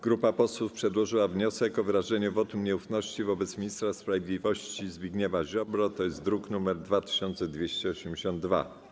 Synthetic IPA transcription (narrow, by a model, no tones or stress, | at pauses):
ɡ̥ɾupapɔswufpʂɛd̪wɔʐɘwavɲɔsɛkɔvɘɾaʐɛɲuvɔt̪ɘmɲɛufnɔɕt͡ɕivɔbɛt̪smʲiɲist̪ɾaspɾavʲed̪lʲivɔɕt͡ɕizbʲiɡɲɛmaʑɔbɾɔt̪ɔjɛst̪d̪ɾuknumɛɾd̪vat̪ɘ̥ɕɔnt̪sɛd̪vʲjeɕt͡ɕɛɔɕɛmd͡ʑeɕɔ̃nd̪̚ːva̰